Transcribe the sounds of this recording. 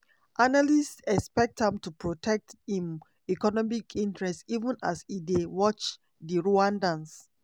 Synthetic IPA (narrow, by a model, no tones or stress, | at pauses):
ʔanalistɛspɛk̚thɛ̃mtupɹotʰɛk̚thĩm | ikɔnɔmikʰĩntɹɛstivə̃na̰sidewɔt͡ʃ | diɹoãndãns